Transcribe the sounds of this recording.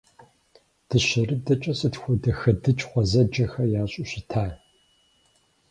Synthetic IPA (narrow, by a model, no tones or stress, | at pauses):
d̥ɨɕɐrɨdɐt͡ʃʼɐsɨtxʷɔdɐxɐdɨt͡ʃʼχʷɔzɐd͡ʒɐxɐjaːɕʼʊɕɪtʰaː